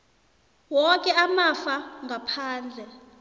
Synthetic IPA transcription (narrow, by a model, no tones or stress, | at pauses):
wɔkʼɛamafaŋɡʱapʰaːnd͡ɮʱɛ